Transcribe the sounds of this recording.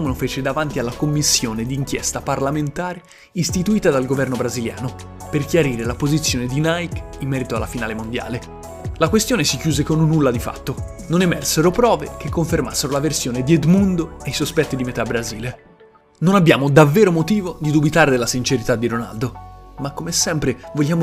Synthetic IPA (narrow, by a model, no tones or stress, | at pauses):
menofeːt͡ʃed̪avant̪ialːakomːisːjoːned̪iːŋkjɛst̪aparlament̪aːɾe | ist̪it̪uiːt̪ad̪alɡovɛrnobɾazilja̰ːno | perkjaɾiːɾelapozit̪sːjoːned̪inajk | imːɛːɾit̪oa̰lːafinaːlemond̪ja̰ːle | lakwest̪joːnesikjuːzekonnːulːad̪ifa̰t̪ːo | nonemɛ̰rseɾopɾɔːvḛk̟ekːoɱfermasːeɾolaversjoːned̪ied̪mund̪oejsospɛt̪ːid̪imet̪abɾaziːle | nonabːjaːmod̪avːeːɾomot̪iːvod̪id̪ubit̪aːɾed̪elːasint͡ʃeɾit̪ad̪ːiɾona̰ld̪omakːomesɛmpɾevoʎːaːmo